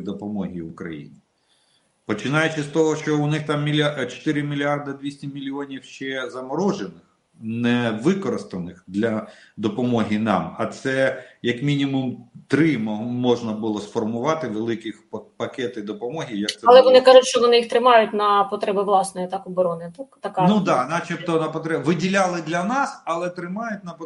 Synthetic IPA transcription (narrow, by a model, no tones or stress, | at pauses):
d̪ɔpɔmɔɦʲiʋʊkɾɐ̰jḭnʲi | pɔt͡ʃɪnɑjʊt͡ʃɪst̪ɔɦɔʃt͡ʃɔʊnɪxt̪ɑmːʲilʲt͡ʃɔ̥t̪ɪɾɪmʲilʲiɑrd̪ɐd̪ʋʲisʲtʲimʲilʲiɔnʲiwʃt͡ʃɛzɐmɔɾɔʒenɪx | nɛʋɪkɔɾɪst̪ɐnɪxd̪lʲɐd̪ɔpɔmɔɦʲinɑ̰mɐt̪sɛjɐkmʲinʲimʊmt̪ɾɪmmɔʒnɐbʊlˠɔsfɔrmʊʋɑt̪ɪʋelˠɪkɪxpɐkɛt̪ɪd̪ɔpɔmɔɦʲijɐkt̪sɛɐlˠɛʋɔnɪkɑʒʊtʲʃt͡ʃɔʋɔnɪixt̪ɾɪmɑjʊtʲnɐpɔt̪ɾɛbɪʋlˠɑsnɔjt̪ɑkɔbɔɾɔnɪt̪akt̪ɐkanud̪ɑnɑt͡ʃipt̪ɔnɐpɔt̪ɾɛʋɪdʲilʲɑlˠɪd̪lʲɐnɑsɐlˠɛt̪ɾɪmɑjʊtʲnɐp